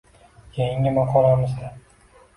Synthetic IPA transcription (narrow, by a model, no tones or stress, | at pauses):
jeŋʲɪmɑqʰɒlˠamɪzd̪a